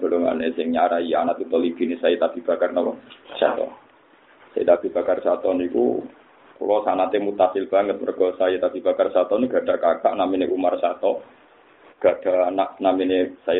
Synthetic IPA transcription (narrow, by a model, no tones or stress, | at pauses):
b̥ə̤loŋa̰nɛsɪŋɲaɾaijanat̪ut̪ɔlib̥inɪsajet̪ab̥i̤b̥akarnɔwɔsa̰t̪ɔ̰ | sajḭt̪ab̥i̤b̥a̤karsat̪ɔnikṵ | kṵlɔsanat̪emut̪asɪlb̥aŋət̪̚mərɡ̥ɔsajet̪ab̥i̤b̥akarsat̪ɔneɡ̥a̤ɖ̥a̤kaka̰ʔnamineʔumarsat̪ɔ | ɡ̥a̤ɖ̥aanaʔnaminesaj